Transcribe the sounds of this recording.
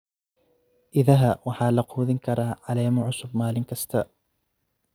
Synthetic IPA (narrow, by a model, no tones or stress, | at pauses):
ʔɪðaɦaːwaħalɑqhʊðɪŋkɑɾˤɑʕalaːjmʊʕʊsʊbmaːlɪnkast̪aːʔ